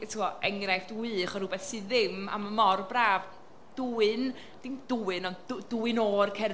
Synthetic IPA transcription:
tʰːɔɛŋrajfd̥wɨχɔɾubɛθsɨðɪma̰məmɔrbraːv | d̥uɨn | d̥ɪmd̥uːɨnɔndduɨnoːrkʰɛ

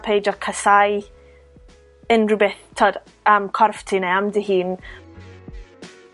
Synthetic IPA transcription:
pʰejd͡ʒɔkʰəsaj | ənrubɛtʰɔd | əmkʰɔrftʰineamdihiːn

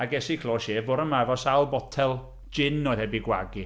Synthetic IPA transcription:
aɡɛsikʰlˠoːʃeːvoːɾəmaɛvɔsalˠbɔtʰɛlˠ | d͡ʒɪnɔhɛbiɡwa̰ɡi

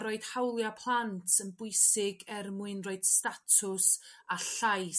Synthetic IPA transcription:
ɾoːɨd̥hawlˠjapʰlˠantʰənbʊɨsɪɡɛrmuɨnroɨd̥statʰʊsaɬaj

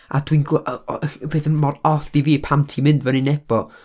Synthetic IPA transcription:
a̰d̥winɡʔbeːðənmɔrdɔθd̥iviːpʰamtʰimɪndvɛninɛb̥ɔ

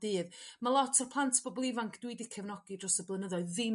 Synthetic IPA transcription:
d̥iːðmalˠɔtʰərpʰlˠantʰb̥ɔbɔlˠɪvaŋkʰd̥widɪkʰɛvnɔɡ̥idrɔsəblˠənəðɔɨððɪ

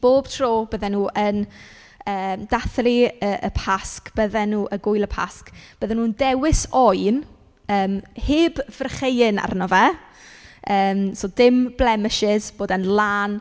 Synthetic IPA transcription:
b̥oːb̥tʰroːbəðɛnuːʔən | əːmd̥aθriəʔə̰pʰaskb̥əðɛnuːʔəɡʊjlˠəpʰa̰skb̥əðɛnuːəndɛwɪsɔjn | əːmheːbvərχejɪna̰rnɔvɛ | əːmsoːdɪmblɛmɪʃɪzb̥oːdənlˠaːn

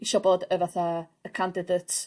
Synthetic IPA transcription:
iʃɔbɔdəvaθa | əkʰandɪdətʰ

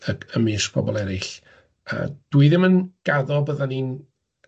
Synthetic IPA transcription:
əəmɪsbʰɔ̰bɔlˠɛɾɪɬ | ə̰d̥wuɨðɪmənɡ̥aðɔbəðanin

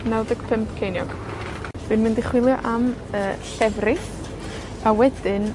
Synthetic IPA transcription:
nawdəkpʰəmpʰkʰejnjɔ̰ɡ̥ | d̥ɨnmɪndɪχwɪlˠjɔʔaməːɬɛvrɪ | awɛdɪn

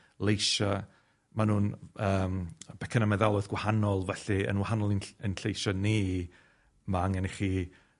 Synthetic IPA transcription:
lˠejʃa | manuːnəːmb̥ɛkʰənamɛðalˠʊðɡ̥wahanɔlˠvɛɬiə̰nwahanɔlˠinənɬejʃɔni | maaŋɛniχiː

